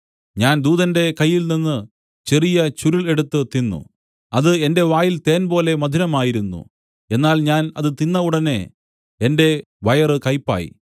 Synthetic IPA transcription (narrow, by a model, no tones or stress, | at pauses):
ɲaːnd̪uːðɐnde̞kɐjːilninːɨ | t͡ɕe̞rijɐt͡ɕuɾule̞ɽut̪ːɨt̪inːṵ | ɐðɨe̞nde̞ʋaːjilt̪e̞ːnbo̞ːle̞mɐd̪ʱinɐmaːjiɾunːṵ | e̞nːaːlɲaːnɐðɨt̪inːɐuɽɐne̞̰ | ende̞ | ʋɐjɐrɨkɐjpːa̰ːjḭ